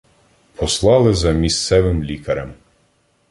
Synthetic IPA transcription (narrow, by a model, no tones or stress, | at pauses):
pɔslˠɑlˠɪzɐmʲist̪sɛʋɪmlʲikɐɾɐm